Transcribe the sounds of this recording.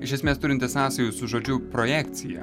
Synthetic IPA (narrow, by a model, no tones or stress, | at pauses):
ɪʃʲɛsʲmʲeːst̪ʊɾʲɪnt̪ʲɛsɑːsɐjʊsʊʒoːd͡ʒʲʊpɾojæːkt̪sʲɪjɛ̰